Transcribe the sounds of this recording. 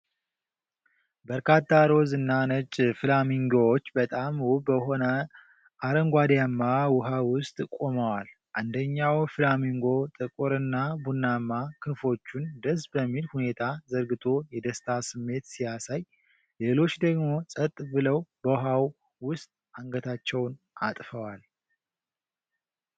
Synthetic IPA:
bəɾkʰat̪ʰːaɾo̞zɨnːanət͡ʃʼfɨlamiŋɡowot͡ʃːbət̪ʼamwubəɦo̞nə | ʔaɾəŋɡʷad̪jamːawʊɦawʊst̪ʼkʼo̞məwal | ʔand̪əɲːawfɨlamiŋɡo̞t̪ʼɨkʼuɾɨnːabunːamːakʰɨfo̞t͡ʃːund̪əs̬bəmːilhune̞t̪ʰazəɾɡɨt̪ʰo̞jɛd̪əst̪ʰasɨmːe̞t̪sijasaj | le̞lo̞t͡ʃːd̪əɡmo̞sʼət̪ʼːbɨləwbəɦaw | wʊst̪ʼaŋɡət̪ʰat͡ʃːɛwn | ʔa̰t̪ʼfəwal

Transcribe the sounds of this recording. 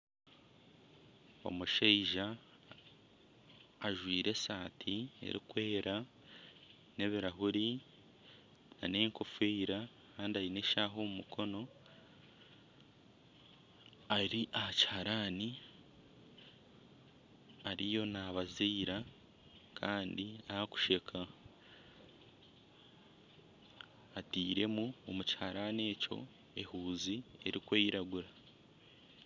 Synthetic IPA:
o̰muʃeiʒa | ʒwiːɾe̞saːtʰie̞̰ɾḭkwe̞ːɾa | ne̞βiɾaɦuɾi | na̰neːŋkʰo̞fweɾa | kaːndiajineʃaɦo̞ːmumukʰo̞no̞ | aɾiʔahaci̥haɾaːni | aɾijo̞naβazeiɾa | kʰaːndiahaku̥ʃe̞kʰa | atiːɾe̞muomuci̥haɾane̞ːco̞̰ | e̞huːzieɾikweːiɾaɡuɾa

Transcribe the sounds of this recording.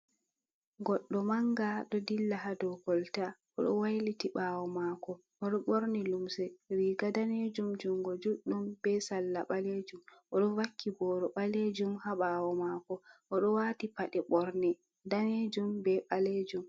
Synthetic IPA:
ɡɔɗːɔmaŋɡaɗɔdilːaɦadɔɡɔltaʔɔɗɔ̰wajlitiɓaːwɔmaːkɔ | ʔɔɗɔɓoɾnilumsɛɾiːɡadaned͡ʒumd͡ʒumɡɔd͡ʒuɗːumb̥ɛsalːaɓaled͡ʒumʔɔɗɔwakʰːibɔːɾɔɓaled͡ʒumhaɓaːwɔmaːkɔʔɔɗɔwaːtipaɗɛɓɔɾnɛ | daned͡ʒumbɛɓaled͡ʒum

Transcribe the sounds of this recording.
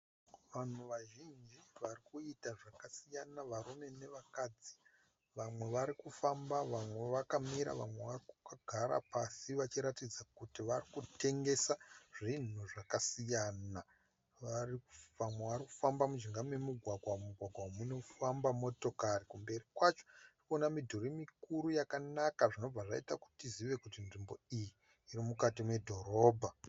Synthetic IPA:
ʋan̤uʋaʒind͡ʒiʋarikuitaʐakasijanaʋaɾume̞ne̞ʋakad͡zi | ʋamwe̞ʋaɾikufambaʋamwe̞ʋakamiɾa̰ʋamwe̞ʋarikukaɡʱaɾa̰pasiʋat͡ʃiɾatid͡zakutiʋarikute̞ŋɡe̞saʐin̤uʐakasijana | ʋarikuamwe̞ʋariku̥fambamud͡ʒiŋɡamemuɡʱwaɡʱwamuɡʱwaɡʱwamuno̞fambamo̞to̞karikumbe̞rikwat͡ʃo̥rikonamidʱorimikuɾujakanakaʐino̞b͡vaʐa̰itaku̥tiziʋe̞kutinʐimbo̞ijiː | ɾimukatime̞dʱo̞ɾo̞ːbʱa

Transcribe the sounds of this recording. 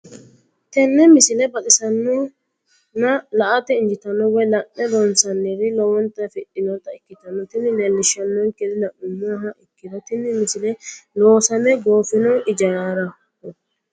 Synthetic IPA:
t̪ɛnːɛmɪsɪlɛbɐtʼɪsɐnːɔ | nɐlɐʔat̪ɛɪnd͡ʒɪt̪ɐnːɔwɔjlɐʔːɛd̪ɔnsɐnːɪɾɪlɔwɔnt̪ɐfɪʔɪnɔt̪ɐɪkːɪt̪ɐnːɔt̪ɪnːɪlɛlːɪʃɐnːɔŋkɛd̪ɪdɐʔʊmːaɦɐʔɪkːɪd̪ɔt̪ɪnːɪmɪsɪlɛloːsɐmɛɡoːfɪnɔɪd͡ʒɐjaːɾɐ | kːɔ

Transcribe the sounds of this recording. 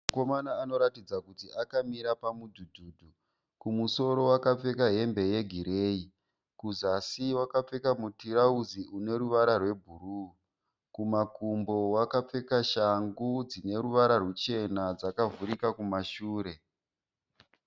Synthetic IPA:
mako̞manaːno̞ɾatid͡zakutiʔakamiɾapamudʱudʱuːdʱu | kumuso̞ɾo̞wakap͡fe̞kaɦe̞mbe̞je̞ɡʱiɾe̞ːi | kuzasiwakap͡fe̞kamutiɾauziune̞ɾuʋaɾarwe̞bʱuru | kumakumbo̞wakap͡fe̞kaʃaŋɡud͡zine̞ɾuʋaɾarut͡ʃe̞nad͡zakavuɾikakumaʃuːɾe̞

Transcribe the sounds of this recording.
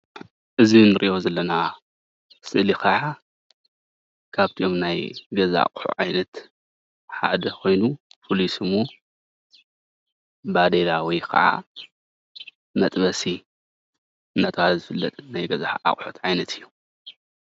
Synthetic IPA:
ʔɨzinɨɾʔḭʔo̞zɐlːɐna | sɨʔlikʰɐʕa | kʰaβt̪ʰiʔo̞mnajɡɐza̰a̰kʼħṵʕajnɐt̪ | ħa̰d̪ɐkʰo̞jnupʰolisɨmo | bad̪elawijkʰɐ̰ʕa̰ | mɐt̪ʼbɐsi | ɨnɐt̪ʰwazɨfɨlːɐt̪ʼnajɡɐzaʕa̰χʼħut̪ʕajnɐt̪ʰɨjːu

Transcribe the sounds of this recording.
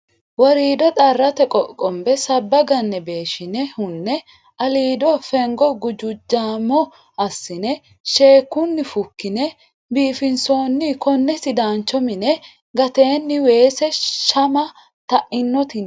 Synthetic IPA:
wɔɾiːd̪ɔt̪ʼɐrːɐt̪ɛkʼɔkʼɔmbɛsɐbːɐɡɐnːɛbe̞ːʃɪnɛhʊnːɛ | ʔɐliːd̪ɔfɛŋɡɔɡʊd͡ʒʊd͡ʒːaːmɔ | ɐsːɪnɛ | ʃe̞ːkːʊnːɪfʊkːɪnɛ | biːfɪnso̞ːnːɪkɔnːɛsɪd̪aːnt͡ʃːɔmɪnɛ | ɡɐt̪e̞ːnːɪwe̞ːsɛʃɐmɐ | t̪ɐʔɪnːɔt̪ɪn

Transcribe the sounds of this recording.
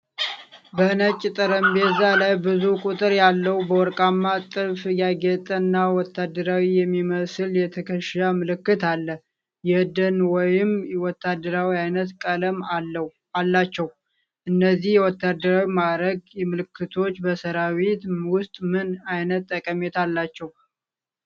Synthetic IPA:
bənət͡ʃʼːɪt̪ʼəɾəmbezalajbɨzukʼut̪ʼɨɾjalːəwubəwɔɾkʼamːat̪ʼɨfjaɡɛt̪ʼənːawɔt̪ʰːad̪ːəɾawijɛmːiməsɨljɛt̪ʰəkʰəʃamɨlɨkːɨt̪ʰalːə | jɛd̪ənwɔjɪmwɔt̪ʰːad̪ːəɾawiajnət̪kʼələm | alːat͡ʃːɛw | ʔɨnːəzːihjɛwɔt̪ʰːad̪ːəɾawimadɾəɡmɨlɨkʰːɨt̪ʰo̞t͡ʃːbəsəɾawit̪wʊst̪ʼmɨnajnət̪ʼːəkʼəmet̪ʰalːat͡ʃːɛw

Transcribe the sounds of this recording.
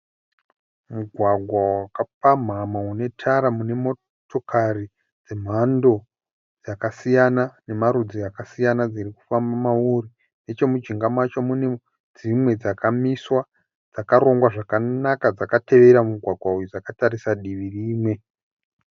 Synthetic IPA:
muɡʱwaɡʱwawakap̚am̤amaune̞tʰaɾamune̞mo̞ | tʰo̞kʰari | d͡ze̞m̤ando̞ | d͡zakasijanane̞maɾud͡ziakasijanad͡ziriku̥fambamauri | ne̞t͡ʃe̞mud͡ʒiŋɡamat͡ʃomune | d͡zimwe̞d͡zakamiswa | d͡zakaɾo̞ŋɡwaʐakanakad͡zakate̞ʋe̞ɾamuɡʱwaɡʱwaujud͡zakataɾisaɗiʋiriːmwe̞

